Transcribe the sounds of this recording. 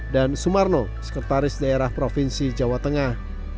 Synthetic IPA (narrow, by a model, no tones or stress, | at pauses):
dansumarnɔ | sə̥kərt̪aɾɪsdaeɾahpɾofinsid͡ʒawat̪əŋah